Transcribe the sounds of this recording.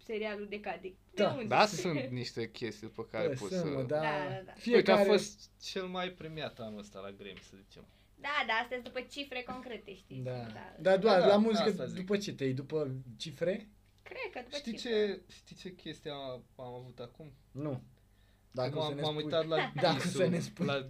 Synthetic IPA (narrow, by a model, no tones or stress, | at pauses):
seɾialud̪ekad̪ikd̪aud̪asunt̪niʃt̪e̞kʲʰest̪ijd̪upəkaɾeposusməd̪aafiejtk̪aaɾefost̪t͡ʃelmajpɾemiat̪anuəst̪a̰la̰ɡɾḛmʲsəzit͡ʃḛm | d̪ad̪aast̪əzʲd̪upət͡ʃifɾeko̞ŋkɾet̪eʃt̪id̪aa̰d̪ad̪owalamuzikəzd̪upət͡ʃe̞t̪ejd̪upət͡ʃifɾe̞ | kɾed̪kəd̪uʃt̪it͡ʃeʃt̪it͡ʃe̞kʲʰe̞st̪ijaamavut̪akumnu | d̪aksaənesamuj̪at̪lad̪asənespua